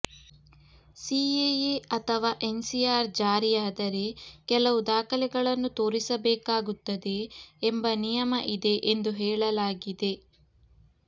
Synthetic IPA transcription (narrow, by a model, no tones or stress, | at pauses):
siejeɐt̪ʰɐʋaːʔe̞nsijaːɾd͡ʒaːɾijaːd̪ɐɾe̞kɛlɐʋud̪aːkʰɐlɛɡɐɭɐnːut̪o̞ːɾisɐbɛːkaːɡut̪ːɐd̪e̞ːmbɐnijɐmɐʔid̪e̞ʔend̪uɦɛːɭɐlaːɡid̪e̞